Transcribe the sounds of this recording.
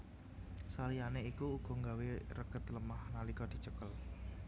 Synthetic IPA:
salianeikuːɡ̥ɔ̤ŋɡaweɾəɡ̥ə̤t̪ləmahnalikɔd̪̥i̤t͡ʃəkəl

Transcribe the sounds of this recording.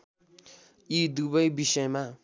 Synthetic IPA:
jid̪ubʌjbisʌjma

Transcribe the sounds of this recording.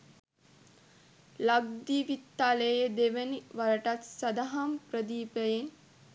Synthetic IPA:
lab̚d̪iʋit̪ːaləjed̪eʋəniʋaɾəʈat̪sad̪aɦamprəd̪iːpəjen

